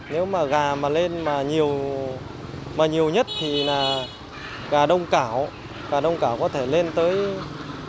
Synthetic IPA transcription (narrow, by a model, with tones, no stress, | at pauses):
ne˨˦wmaː˨˩ɣaː˨˩maː˨˩le˧nmaː˨˩ɲi˨˩əw | maː˨˩ɲi˨˩əwɲə˦˥t̚t̪ʰi˨˩naː˨˩ | ɣaː˨˩ɗə˧wŋ͡mkaː˧˩w | ɣaː˨˩ɗə˧wŋ͡mkaː˧˩wkɔ˨˦t̪ʰe˧˩le˧nt̪əː˨˦j